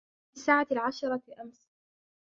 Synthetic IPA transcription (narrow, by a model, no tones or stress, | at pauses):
isaːʕalʕaʃɑɾˤɑʔams